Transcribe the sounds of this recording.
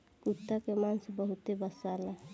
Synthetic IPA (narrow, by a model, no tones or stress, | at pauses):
kut̪ːakemansbəɦʊt̪ebəsala